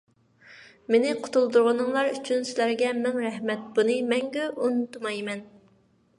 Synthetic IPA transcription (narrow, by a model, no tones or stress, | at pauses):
menɪqʰʊ̥t̪ʰulˠd̪uɾʁənɨŋlˠɑɾyt͡ʃʰynsɪlæɾɡʲɛmɪŋɾɛhmɛt̪̚bunɨmɛŋɡʲɛʔunːut̪mɑjmɛn